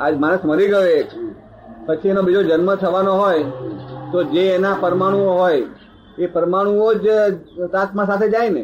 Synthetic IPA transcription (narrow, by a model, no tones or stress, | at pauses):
ad͡ʒmaɽ̃əsməɾiɡəjoe | pət͡ʃʰienobid͡ʒod͡ʒənmət̪ʰəʋanoɦojt̪od͡ʒeːnapəɾmaɽ̃uoɦoj | epəɾmaɽ̃uod͡ʒt̪asmãsat̪ʰed͡ʒajne